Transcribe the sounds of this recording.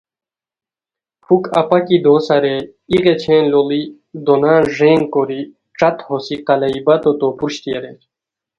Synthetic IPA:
pʰukɐpakid̪osɐɾe | iʁet͡ɕʰẽːnloli | d̪onãːʐeːŋkoɾi | ʈ͡ʂat̪hosiqɐlɐibɐt̪ot̪opuɾɕt̪ieɾe

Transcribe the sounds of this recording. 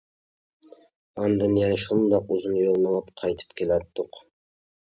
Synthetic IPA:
ɑnd̪ɨmjɑnʃund̪ɑquzɨnjolˠmɑlˠɑpqʰɑjt̪ʰɨ̥p̚kʲʰelæt̪ːʊq

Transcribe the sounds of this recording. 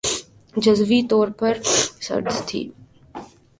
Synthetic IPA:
d͡ʒɐzʋit̪ɔːɾpɐɾsɐ̰ɾzt̪ʰḭː

